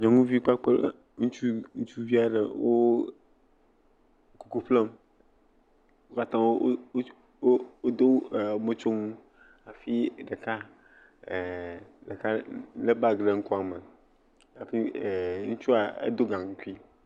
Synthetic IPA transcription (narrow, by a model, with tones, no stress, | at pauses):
ɲɔ̃˨ŋũ˦vi˦k͡pa˦k͡pe˦ | ŋũ˦t͡ʃu˦ŋu˦t͡ʃu˦vi˦a˦ɖe˨wo˦ | ku˨ku˨ɸle˦m | o˦ka˦t̪ã˦wo˦ | o˦d̪o˦˨mõ˦t͡ʃo˦ŋũ˦ | a˨fi˦ɖe˨ka˦˨ | ɖe˨ka˦le˦ba˦ɡɖe˨ŋ̩˦kɔ˦a˨me˨ | a˨fi˦˨ŋũ˦t͡ʃu˦a˨ḛ˦d̪o˦ɡã˨ŋu˦ku˦i˦